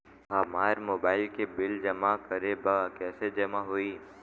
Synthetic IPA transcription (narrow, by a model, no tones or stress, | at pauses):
ɦɐmaːɾmoːbaːɪlkebɪld͡ʒɐmakəɾebakɛːsed͡ʒɐmaɦoiː